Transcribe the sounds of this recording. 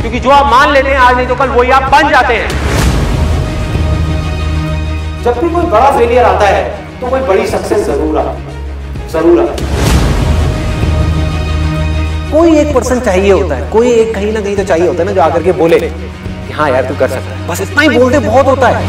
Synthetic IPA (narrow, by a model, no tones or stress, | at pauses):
kjõːkid͡ʒoːaːpmaːnleːt̪eɦɛ̃aːd͡ʒnɐĩt̪okɐlʋoːiaːp̚bɐ̃nd͡ʒaːt̪eɦɛ̃ː | d͡ʒɐb̚kikoːibɐɽafʰeːlijəɾaːt̪aɦɛː | t̪okoːibɐɽisɐksɛszɐɾuːɾa̰ː | zɐɾuːɾa̰ː | koːieːk̚pɐɾsənt͡ʃaːɦieɦoːt̪aɦɛːkoːieːk̚ɡɐɦĩnakɐɦĩt̪ot͡ʃaːɦieɦoːt̪aɦɛnad͡ʒoːaːkəɾkeboːleː | kɪɦãjaːɾt̪ukɐɾsɐk̚t̪aɛbɐsɪt̪naɦiboːlɖ̪ẽbɔːt̪ɦoːt̪aɦɛː